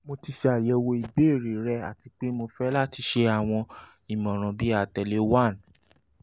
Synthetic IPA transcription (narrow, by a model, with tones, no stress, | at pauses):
mo˧ti˧ʃe˧a˨jɛ˨˦wo˧i˨be˦e˦˨ɾi˨ɾɛ˧˦a̰˨ti˧k͡pe˦mo˧fɛ˦la˦ti˧ʃe˧a˨w̃ɔ̃˧ | i˨mɔ̃˨ɾ̃ɔ̃˨bi˦a˨tɛ˨le˦wa˦˨n